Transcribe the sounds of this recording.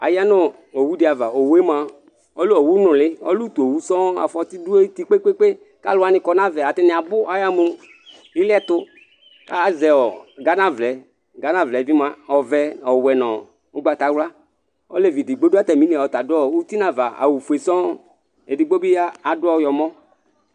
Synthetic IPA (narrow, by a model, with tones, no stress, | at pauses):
a̰˨ja˦nʊ˦ | o˨wu˦dɪ˨a˨va˨o˨we˦m˨a˨ | ɔ˦lu˦ɔ˨wu˦nʊ̃˨lɪ˦ɔ̰˦lu˦t̪o˨wu˦sɔ̃˦a̰˨fɔ˦ti˦du˦e˦ti˦k͡pe˦k͡pe˦k͡pe˦ | ka̰˦lʊ˨˦a˨nɪ˨kɔ˨na˦vɛ˨a˨tɪ˦nɪ̃˨a˨bʊ˦a˨ja˦mu˨m | i˦lɪ˦ɛ˦t̪ʊ˦ | ka˦˨zɛ˨ɔ˨ɡa˦na˦vlɛ˨˦ | ɡa˨˦na˨vlɛ˨vi˦ma˦ɔ˨vɛ˨ɔ˨wɛ˨nɔ̃˨ | u˦ɡ͡ba˨ta˨˦wla˦ | ɔ˦le˦˨vi˨di˨ɡ͡bo˦du˦a˦t̪ɛ˨mĩ˨˦ni˨ɔ˨t̪a˨dʊ˦ɔ˦u˦ti˦na˨va˨a̰˨wu˨fu˨e˨sɔ̃˦ | e˨di˨ɡ͡bo˦bi˦a˦a˨dʊ˦ɔ˦jɔ˨mɔ˦